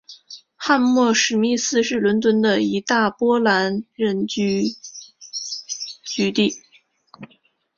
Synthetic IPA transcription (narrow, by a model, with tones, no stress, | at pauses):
xa˥˧nmwɔ˥˩ʂɻ̩˧˥mi˥˧sɹ̩˥˧ʂɻ̩˥˩lwə˧˥nt̪̬wə˥nd̪ə˨i˧˥t̪a˥˩pwɔ˥la˧˥nɻə˥˩nt͡ɕy˥ | t͡ɕy˧˥t̪i˥˩